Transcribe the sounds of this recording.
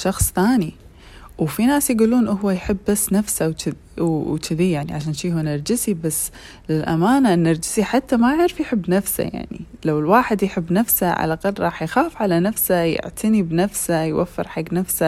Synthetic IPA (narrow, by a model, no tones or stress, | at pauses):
ʃɑxsˤθaːni | wfinaːsjɡuːlːuːnʔʊɦwajħɪbːasːnafsawt͡ʃɪ | wwt͡ʃɪðijaʕniʕaʃaːnʃiːɦanɪɾˤd͡ʒɪsibasː | lɪlʔa̰maːnaʔɪnːɪɾˤd͡ʒɪsiħat̪ːamaʕɪɾfjħɪbːnafsa̰ja̰ʕnḭlawɪlwaːħɪd̪jħɪbːnafsaʕa̰laqɑlɾˤɑːħjxaːfʕalanafsajɪ̰ʕt̪ʰanibnafsajwʔa̰fːɪ̰ɾħaɡːnafsa